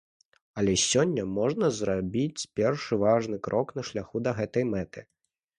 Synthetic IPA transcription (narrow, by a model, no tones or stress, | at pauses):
ɐlʲɛsʲɔnʲːɐmɔʐnɐzɾabʲit͡sʲpʲɛrʂɨvaʐn̪ɨkɾʔɔknɐʂlʲaxud̪ɐɣɛt̪ɐjmɛt̪ɨ